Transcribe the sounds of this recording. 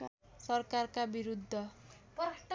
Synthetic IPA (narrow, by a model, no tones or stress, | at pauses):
sʌrkarkabiɾud̪ʱːʌpʈ